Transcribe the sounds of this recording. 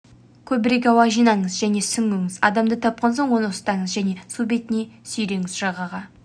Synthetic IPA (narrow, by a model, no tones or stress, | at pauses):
kʲʰɵbɪɾe̞k̬ʲɑwɑʒijnɑɴəzʒæne̞sʏŋmɵŋɪz̥ɑ̰d̪ɑmd̪ət̪ʰɑp̚qɑnso̞ɴwo̞nəʊst̪ɑɴəzʒæne̞sube̞t̪ɪne̞sʏjɾe̞ŋɪzʒɑʁɑʁɑ